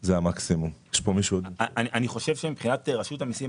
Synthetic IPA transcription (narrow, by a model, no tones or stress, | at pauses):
zeamaksimumjeʃpomiʃuodaniʔaniχo̞ʃevʃemipχinat̪ʁaʃutamisi